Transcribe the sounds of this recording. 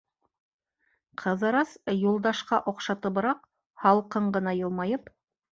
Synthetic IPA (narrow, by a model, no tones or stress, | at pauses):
qʰɤ̆ðɤ̆ɾɑsjulˠd̪ɑʃqɑʔŏqʃɑt̪ɤ̆βɤ̆ɾɑq̚ | hɑlˠqɤɴɢɤ̆nɑjɤ̆lˠmɑjɤp